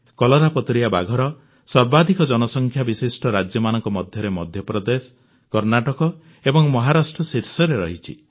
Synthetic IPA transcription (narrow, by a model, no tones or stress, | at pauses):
kɔlɔɾapɔt̪ɾijaba̰ɡʱɔɾɔ | sɔɾbad̪ʱikɔd͡ʒɔnɔsɔŋkʰjabisisʈɔɾad͡ʒjɔmanɔŋkɔmɔd̪ʱjɔɾemɔd̪ʱjɔpɾɔd̪es | kɔɾnaʈɔkɔ | ebɔŋmɔɦaɾasʈɾɔsiɾsɔɾeɾɔɦit͡ʃʰḭ